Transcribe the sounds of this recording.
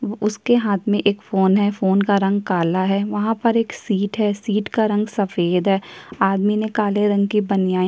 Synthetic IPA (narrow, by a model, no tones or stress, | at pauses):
ʊskeɦaːt̪ʰmẽʔeːkfoːnɦɛfoːnkaɾɐ̃ŋɡ̚kaːlaɦɛʋɐɦãpɐɾeːksiːʈɦɛːsiːʈkaɾɐ̃ŋɡsɐfeːd̪ɦɛːaːd̪minẽkaːleɾɐ̃ŋɡkibɐnjaː